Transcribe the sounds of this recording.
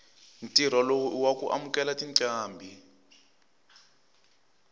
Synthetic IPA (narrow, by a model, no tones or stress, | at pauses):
ntʼir̤ɔlowuwakuʔa̰mukɛlatiŋǀʼaːmbʱi